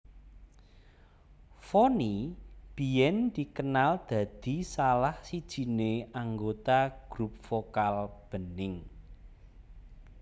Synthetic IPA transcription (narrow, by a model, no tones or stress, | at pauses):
fonib̥i̤jɛnd̪̥ikənald̪̥ä̤d̪̥i̤salahsid̥ʒ̥i̤neaŋɡot̪aɡ̥ɾup̚fokalb̥ənɪŋ